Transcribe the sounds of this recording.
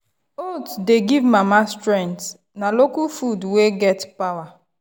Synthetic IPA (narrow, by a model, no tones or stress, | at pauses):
otdeɡivmamastɹɛ̃nt | nalokufudweɡɛtpawa